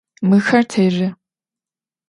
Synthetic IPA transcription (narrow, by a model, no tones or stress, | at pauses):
mɨxɐrtʰeːrɪ